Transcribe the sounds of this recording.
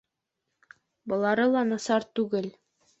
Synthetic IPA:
bɤ̆lˠɑɾɤlˠɑnɑsɑɾt̪ʉɡɘl

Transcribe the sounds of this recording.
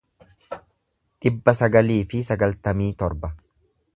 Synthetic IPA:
ᶑɪbːɐsɐɡɐliːfɪsɐɡɐlt̪ɐmiːt̪ɔɾbɐ

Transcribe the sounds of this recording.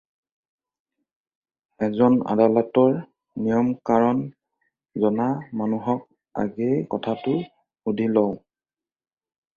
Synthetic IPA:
ɛzɔna̰dalɔtɔɹ | nijɔmkaɹɔn | zɔnamanuɦɔk̚ | a̰ɡejkɔtʰatʊ | udʱilɔw

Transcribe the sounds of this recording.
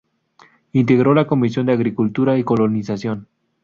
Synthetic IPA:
int̪e̞ɣɾo̞lako̞misjo̞nd̪eaɣɾikult̪uɾaiko̞lonisasjo̞n

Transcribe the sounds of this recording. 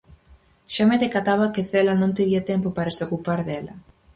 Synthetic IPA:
ʃameðekat̪aβakɪθelɐnõnt̪eβiɐt̪ɛmpopaɾɐsokupaɾðɛlɐ

